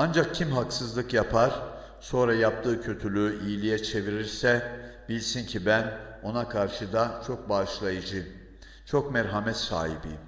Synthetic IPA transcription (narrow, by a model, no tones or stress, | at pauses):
and͡ʒak̚cʰimɦaksɯzlˠɯkjapʰaɾ̥ | so̞nɾajap̚t̪ʰɯːcʰø̞t̪ʰylʲyijlʲijɛt͡ʃʰe̞viɾiɾsɛ | b̥ilʲsincʰibæn | o̞nakʰaɾʃɯd̪at͡ʃʰo̞k̚baːʃlˠajɯd͡ʒɯm | t͡ʃʰo̞kmɛɾɦamɛt̪sa̰ːhḭbḭm